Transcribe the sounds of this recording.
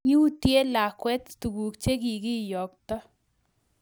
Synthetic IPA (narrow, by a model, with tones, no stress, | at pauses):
ɲu˦u˦tje˦la˨kwɛ˦t̪t̪u˨ɡu˨kt͡ʃe˦k̬i˨kɪ˦jɔ˨k̚t̪ɔ˦